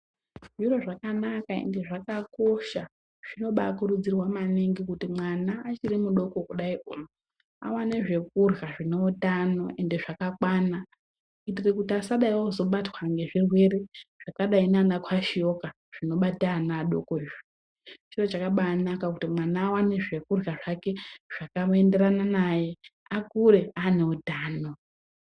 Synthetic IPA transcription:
ʐiro̞ʐakanakaḛnde̞ʐakako̞ʃa | ʐ̥ino̞ɓakurud͡zirwamaneŋɡikutimwanaːt͡ʃirimuɗo̞ko̞kuɗaiʔumo | a̰waneʐe̞k̚urɣaʐine̞utano̞̰e̞nde̞ʐakakwana | itirekutiasaɗaiwozo̞ɓatwaŋɡe̞ʐirwe̞re̞ʐ̥akaɗainanakʰwaʃijo̞ka | ʐ̥ino̞ɓatanaːɗokoiʐi | t͡ʃiro̞t͡ʃakaɓaːnakakutimwanaːwaneʐe̞kurɣaʐake̞ʐ̥akame̞nde̞rananaje̞ | akure̞aneutaːno

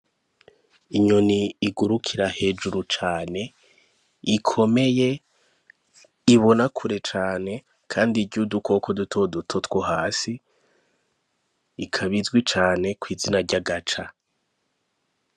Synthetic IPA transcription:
iɲoniːɡuɾukʰiɾahe̞ːd͡ʒuɾut͡ʃaːne̞ | ikʰo̞me̞je̞ | iβo̞nakʰuɾe̞t͡ʃaːne̞ | kʰaːndiɟuduko̞kʰodutʰo̞dutʰo̞twoɦaːsi | kʰaβizɡwit͡ʃaːne̞kwiːzinaɾɟaɡat͡ʃa

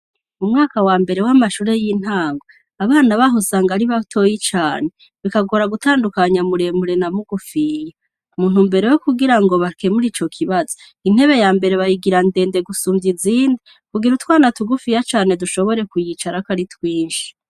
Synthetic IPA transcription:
umŋaːkawaːmbe̞ɾe̞wamaʃuːɾe̞jiːn̥haːŋɡo | aβaːnaβaɦosaːŋɡaɾiβatʰo̞jit͡ʃaːne | βikaɡo̞ɾaɡutaːndukaɲamuɾe̞muɾe̞namuɡufija | umuːn̥umbe̞ɾe̞wokuɡiɾaŋɡo̞βake̞muɾiːt͡ʃo̞kʰiβazo | in̥he̞βe̞jaːmbe̞ɾe̞βajiɡiɾande̞ːnde̞ɡusuːmbjiziːndi | kuɡiɾutwaːnatuɡufijat͡ʃaːne̞duʃo̞βo̞ɾe̞kujit͡ʃaɾakaɾitwiːnʃi̥

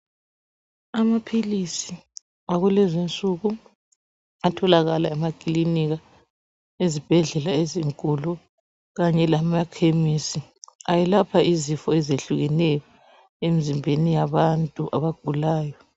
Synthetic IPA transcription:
amapʰilisi | aɣulɛzent͡sʼuɣu | atʰɔlaɣalaɛmakʼiliniɣa | ezib̥ʱɛɮɛlaeziŋkʼulu | ɣaɲɛlamakʰemisiajɛlapʰaʔizifɔɛzeɬuɣɛnɛjɔ | emizimbʱenijaβantʼuʔaβaɡ̥ʱulaːjɔ

